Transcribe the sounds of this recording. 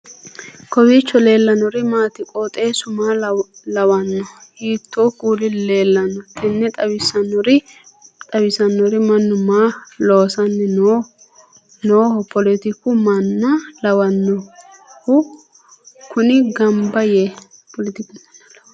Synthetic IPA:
kɔwiːt͡ʃːɔle̞ːlːɐnɔɾɪmaːt̪ɪkʼoːt̪ʼeːsʊmaːlɐwɐnːɔhiːt̪ʰːoːkʼuːlɪle̞ːlːɐnːɔt̪ʰːɪnːɛt̪ʼɐwɪsɐnːɔɾɪ | t̪ʼɐwɪsɐnːɔɾɪmɐnːʊmaːloːsɐnːɛno | noːhɔpʰɔlɪt̪ɪkʊmɐnːɐlɐwɐnːɔ | hʊ | kʊnɪɡɐmbɐje | pʰɔlɪt̪ɪkʊ

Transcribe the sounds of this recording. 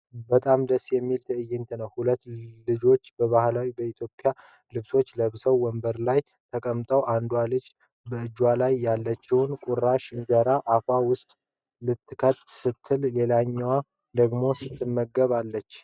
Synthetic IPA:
bət̪ʼamd̪əsjɛmːilt̪ʰɨɨjːɪnt̪ʰənəwhulət̪ːlɨd͡ʒo̞t͡ʃːbəβahlawibəit̪ʰjo̞pʼja | lɨβso̞t͡ʃːləβsəwːəmbəɾlaj | t̪ʰəkʼəmt̪ʼəwʔand̪walɨd͡ʒ | bəɨd͡ʒwalajːalːət͡ʃːɪwnkʼuɾaʃɨŋɡəɾaʔakʷawʊst̪ʼ | lɨt̪ːɨkʰət̪sɨt̪ʰːɨlle̞laɲːawa | d̪əɡmo̞sɨt̪ʰːɨmːəɡəβalːət͡ʃː

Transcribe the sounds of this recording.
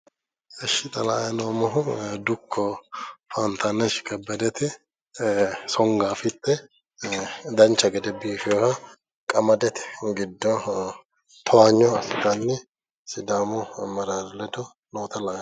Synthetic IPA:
ɛʃːɪt̪ʼɐla̰ːjɐnoːmɔɦʊd̪ʊkʰːɔfaːnt̪ʰanɐʃkʼɐbːɐd̪ɛt̪ɪ | sɔŋɡaːfɪt̪ːɛ | d̪ɐnt͡ʃːɐɡɛd̪ɛbiːfɪjɔhɐ | kʼɐmɐd̪ɛt̪ɛ̥ɡɪd̪ːɔ | t̪ʰɔwaːɲːɔɐsɪd̪anːɪ | sɪd̪aːmʊmɐɾaːdlɛd̪ɔ | noːt̪ɐlaːjɐ

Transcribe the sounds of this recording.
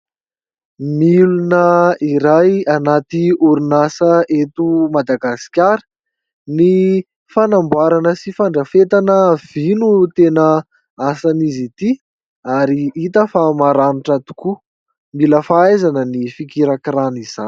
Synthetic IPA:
milunəiɾajanat̪iuɾunasəʔet̪umad̪aɡasi̥kʲaɾə̥ | ni | fanambwaɾanəsifaɳɖ͡ʐəfet̪anəv̥inut̪enə | asanizit̪i | aɾiit̪əfamaɾanuʈ͡ʂat̪u̥ku | miləfaajzanənifikiɾakranizan

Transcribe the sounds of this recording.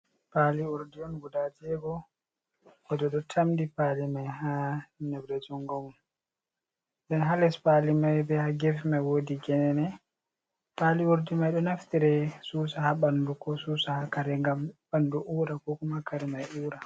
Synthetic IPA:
paliuɾdiɔnɡudatɛɡɔ | kɔdɔɗɔtʰamdipalimajhanɛbdɛd͡ʒɔŋɡɔmun | ɗɛnɦalɛspalimajbɛhaɡɛfmajwodiɡɛnɛnɛ | paliuɾdimajɗɔnaft̪iɾɛsuːsahaɓandukɔsuːsahakaɾɛŋɡamɓanduʔuːɾakɔkɔmakaɾɛmajuːɾa

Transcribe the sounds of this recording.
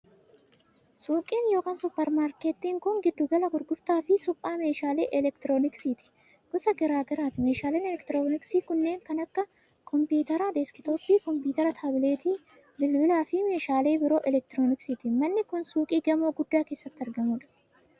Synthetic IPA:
suːkʼiːnjo̞ːkaːnsʊpːɛɾmaːɾkeːt̪ːiːŋkʊŋɡɪd̪ːʊɡɐlɐɡʊɾɡʊɾt̪aːfɪsʊpʼːaːme̞ːʃaːlḛːʔɛlɛkt̪ɪɾoːnɪksiːt̪ɪ̥ | ɡ̥ɔsɐɡɛɾaːɡɐɾaːt̪ɪmeːʃaːleːnɛlɛkt̪ɪɾoːnɪksiːkʊnːe̞ːŋkɐnɐkːɐ | kʰɔmpuːt̪ɐɾɐd̪ɛskɪt̪opːiːkɔmpuːt̪ɐɾɐt̪ʰaːbɪleːt̪iː | bɪlbɪlaːfɪme̞ːʃaːle̞ːbɪɾo̞ːʔɛlɛk̚t̪ɪɾoːnɪksiːt̪ɪmɐnːɪkʊnsuːkʼiːɡɐmoːɡʊd̪ːaːke̞ːsːɐt̪ːɪɐɾɡɐmuːᶑɐ̥

